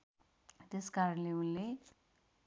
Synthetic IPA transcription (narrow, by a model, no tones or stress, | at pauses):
t̪eskaɾʌnleunle